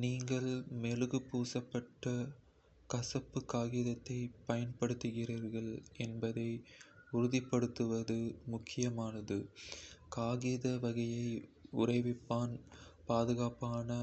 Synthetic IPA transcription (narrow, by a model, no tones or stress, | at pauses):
niːŋɡɐɭmeːlɯɣɯpːuːsɐpːɐʈːɐ | kɐsɐpːɯkaːɣɪðɐt̪ːɐɪpɐjɐnpɐɽɯt̪ːɯɣɪriːɾɣɐɭɛnbɐðɐɪʊɾʊðɪpːɐɽɯt̪ːɯʋɐðɯmʊkʰːɪjɐmaːnɐðɯkaːɣiðɐʋɐɣɐjɐɪʊrɐɪʋɪpːaːnpaːðɯɣaːpaːnɐ